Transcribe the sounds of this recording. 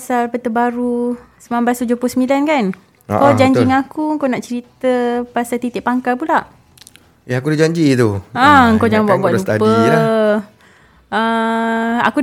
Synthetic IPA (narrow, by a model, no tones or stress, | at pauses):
asalpət̪əbaɾusəmambast̪ud͡ʒopʊsəmilankan̰ | kod͡ʒaɲiŋakuŋkonaʔt͡ʃəɾit̪əpasalt̪it̪ɪʔpaŋkalpulaʔ | jaakudid͡ʒaɲd͡ʒit̪uaŋkod͡ʒaŋbuaʔbuaʔut̪apəi | ə | a̰ku